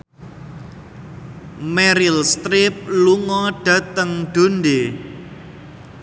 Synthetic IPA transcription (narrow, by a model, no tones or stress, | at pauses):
mɛɾilst̪ɾɪp̚luŋɔɖ̥ä̤t̪əŋɖ̪̥o̤nɖe